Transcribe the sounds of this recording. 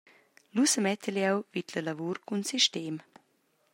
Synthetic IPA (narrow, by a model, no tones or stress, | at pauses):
lusəmɛt̪əljɛwvit̪ləlavuɾkunsiʃteːm